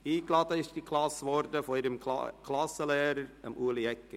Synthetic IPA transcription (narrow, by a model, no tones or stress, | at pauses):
hiːɡ̥lɑd̪əɪsd̥ikʰlɑsʋɔɾd̪əfɔiːɾəm̰kʰlɑsəleːɾəɾə̰muːəliɛkːə